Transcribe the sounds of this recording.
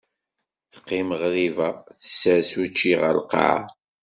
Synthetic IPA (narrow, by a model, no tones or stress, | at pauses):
θə̥qːiməʁɾivæθə̥səsut͡ʃːiʁə̰lqɑ̰ʕ̰